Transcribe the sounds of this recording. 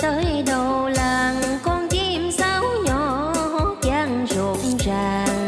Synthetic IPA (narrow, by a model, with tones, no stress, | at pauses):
t̪əː˨˦jɗə˨˩wlaː˨˩ŋkɔ˧nt͡ɕi˧˩msaː˧˦wɲɔ˨ | hɔ˨˦t͡ɕaː˧˩ŋzo˨˩˨ŋ͡mzaː˨˩ŋ